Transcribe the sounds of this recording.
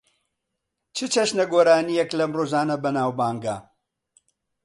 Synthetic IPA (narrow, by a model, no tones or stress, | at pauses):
t͡ʃʰɨt͡ʃɐʃnɐɡoːɾaːnijɛklɐmroːzaːnɐbɐnaːwbaːŋɡa̰